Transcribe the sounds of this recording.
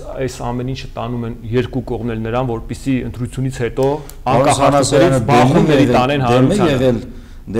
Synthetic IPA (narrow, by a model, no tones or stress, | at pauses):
ɑjsɑmɛnint͡ʃʰə̥t̪ɑnumɛnjɛɾkukɔʁmnɛlnəɾɑnvɔɾpisiənt̪ɾut͡sʰjunit͡sʰhɛt̪ɔ | ɑkɑχɑuɛɾibɑχumnɛɾit̪ɑnɛnhɑɾujɑɛɛl